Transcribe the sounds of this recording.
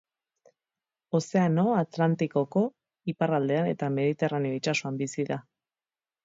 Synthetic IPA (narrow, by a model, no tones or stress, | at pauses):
o̞se̞ano̞at̪lant̪iko̞ko̞ | iparald̪e̞anet̪ame̞ðit̪e̞raneo̞it͡ʃasoambisiða